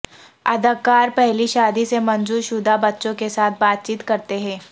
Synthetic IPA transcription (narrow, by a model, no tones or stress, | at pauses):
ɐd̪əkːaːɾpɛɦliʃaːd̪isemɐ̃nzuːɾʃʊd̪ʱabɐtːʃõkesaːt̪̚ʰbaːt̪̚t͡ʃiːt̪kɐɾt̪eɦɛ̃ː